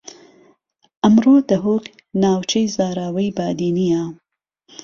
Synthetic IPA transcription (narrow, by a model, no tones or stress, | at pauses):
ʔɐmroːd̪ɐɦok | naːwt͡ʃʰɐjzaːɾaːwɐjbaːd̪iːnija